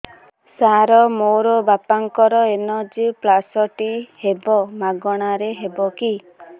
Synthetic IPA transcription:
saɾɔmoɾɔbapaŋkɔɾɔenɔd͡ʒiplasɔʈihebɔmaɡɔɽ̃aɾeɦebɔki

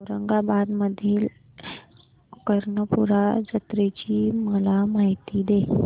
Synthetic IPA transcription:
əɾəŋɡabad̪məd̪ʱiːl | kəɾɳəpuɾad͡zət̪ɾet͡ɕiːməlamaɦit̪iːd̪e

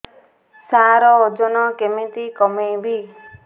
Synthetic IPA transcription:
saɾɔod͡ʒɔnɔkemit̪ikɔmebi

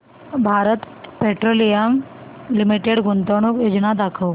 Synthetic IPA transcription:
bʱaɾət̪ | peʈɾolijam | limiʈeɽɡʱunt̪əɽ̃ukjod͡ʑnad̪akʰəw

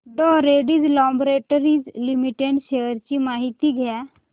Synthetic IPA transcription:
ɖɔɾeɖiːd͡zlɔbɾeʈəɾiːd͡zlimiʈeɖʃejəɾt͡ɕimaɦit̪iɡʱja

